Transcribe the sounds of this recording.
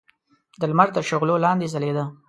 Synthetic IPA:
d̪əlmaɾd̪əʃʊɣlolɑnd̪ezaled̪a

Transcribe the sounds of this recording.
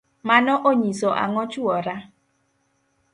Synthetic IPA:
manɔʔoɲisɔʔa̰ŋɔt͡ʃuɔɾa

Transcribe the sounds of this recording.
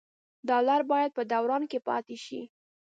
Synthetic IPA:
d̪ɑlɑɾbɑjad̪̚pəd̪awɾɑnkepɑ̰t̪eʃḭ

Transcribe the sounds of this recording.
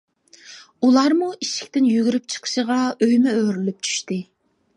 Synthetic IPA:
ulˠɑɾmuiʃɪ̥kʲt̪ɪnjyɡʲyɾyp̚t͡ʃʰə̥qʰə̥ʃəʁɑøjmɛøɾylyp̚t͡ʃʰy̥ʃt̪ɨ

